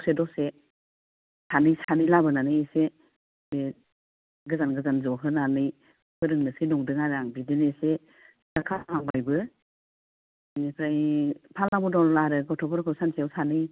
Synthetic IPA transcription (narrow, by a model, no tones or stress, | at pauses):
sedɔse | sʰanɯjsanɯjlabɯnanɯjese | be | ɡɯzanɡɯzanzɔɦɯnanɯj | pʰɯɾɯŋnɯsinɔŋdɯŋaɾaŋbidinese | ɡakʰaɦaŋbajbɯ | nipʰɾajpʰalamɔdɔllaɾɯɡɔtʰɔpʰɔɾkʰɯwsansiawsanɯj